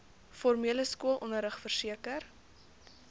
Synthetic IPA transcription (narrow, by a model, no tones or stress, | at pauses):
fɔrmiələskuəlˠʔɔnəɾəχfərsiəkər